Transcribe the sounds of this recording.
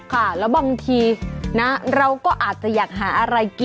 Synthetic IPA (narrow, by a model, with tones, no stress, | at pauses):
kʰa˥˩lɛː˦˥wbaː˧ŋt̪ʰiː˧na˦˥ɾa˧wkɔː˥˩ʔaː˨˩t̪̚t͡ɕa˨˩jaː˨˩k̚ɦaː˩˦ʔa˧ɾa˧jki˨